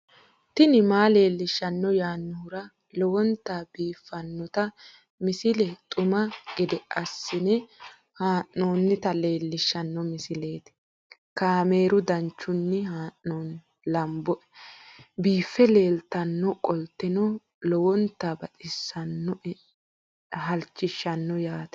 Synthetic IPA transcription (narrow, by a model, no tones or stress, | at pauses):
t̪ɪnɪmaːle̞ːlːɪʃːɐnːɔjaːnːʊhʊɾɐ | lɔwɔnt̪ːaːbiːfːɐnːɔt̪ɐ | mɪsɪlɛt̪ʼʊmɐɡɛd̪ɛʔɐsːɪnɛ | haːʔoːnːɪt̪ɐle̞ːlːɪʃɐnːɔmɪsɪle̞ːt̪ɪ̥ | kaːme̞ːɾʊd̪ɐnt͡ʃːʊnːɪhaːʔːoːn | lɐmbɔʔɛ | biːfːɛle̞ːlt̪ɐnːɔkʼɔlt̪ːɛnɔ | lɔwɔnt̪ːaːbɐt͡sʼɪsːɐnːɔ | ɦɐlt͡ʃːɪʃːɐnːɔjaːt̪ɛ̥